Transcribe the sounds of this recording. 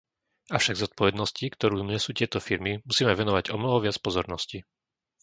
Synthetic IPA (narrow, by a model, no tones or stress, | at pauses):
ʔaʊʃaɡzɔt̪̚pɔʋɛd̪nɔscikt̪ɔɾuːmɲɛsuːcɪɛt̪ɔfiɾmimusiːmɛʋɛnɔʋaɟɔmnɔɦɔʋɪat͡spɔzɔɾnɔsci